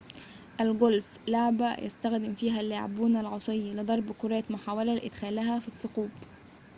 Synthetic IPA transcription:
ʔælɡolf | laʕbæ̰jʔæ̰st̪æxd̪ɪmfiːɦælːeʕa̰buːnælʕosˤejːɑlɨd̪ˤɑɾˤbkʊɾɑːt̪mʊħaːwælælʔɪd̪xæːlæhæfisˤːʊquːb

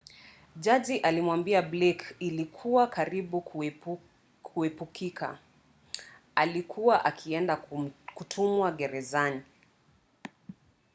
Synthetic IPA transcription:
d͡ʒad͡ʒiʔalimwambiablɛkilikʰuwakaɾiɓu | kʰuɛpukʰikʰa̰ | alikʰuwaʔakʰiɛndakutʰumwaɡɛɾɛzani

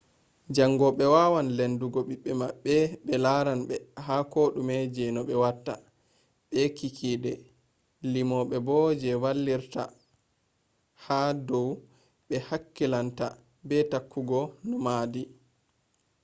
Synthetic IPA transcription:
d͡ʒaŋɡɔɓɛwaːwanlenduɡɔɓiɓːɛmaɓːɛɓɛlaɾanɓɛɦakoɗumɛd͡ʒɛnɔɓɛwatːa̰ | ɓɛkikʰidɛ | limɔɓɛbɔd͡ʒɛwalːiɾta̰ | hadɔw | ɓɛhakːilanta̰ | bɛtakːuɡɔnɔmaːdi

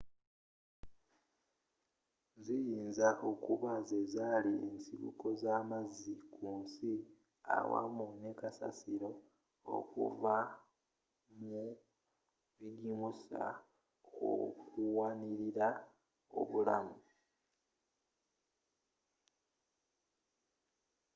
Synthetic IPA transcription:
zijiːnzaʔo̞kuβazezalie̞nsiβṵko̞zaːmazːikuːnsi | a̰wa̰munekasa̰siɾo̞ | o̰kṵva | mu | βiɡimusa̰ | o̰kuwaniɾiɾa | o̰βula̰mu

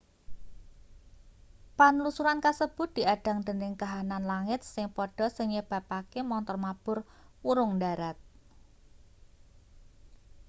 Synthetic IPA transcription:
panlusuɾankasəb̥ʊ̤t̪̚d̥̪iaɖ̥a̤ŋd̪̥ə̤nɪŋkaɦananlaŋɪt̪̚sɪŋpɔɖ̥ɔ̤səŋɲəb̥a̤pakemɔnt̪ɔrmab̥ʊr | wuɾʊŋdaɾat̪̚

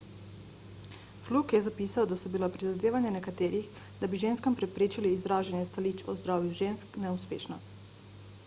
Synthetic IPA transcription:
flukjɛzapiːsawd̪asɔbilapɾizad̪eːʋanjanɛkat̪eːɾix | d̪abiʒeːnskampɾɛpɾeːt͡ʃiliːzɾaːʒanjɛst̪alit͡ʃɔzd̪ɾaːwjuʒeːnsknɛuspḛːʃnɔ

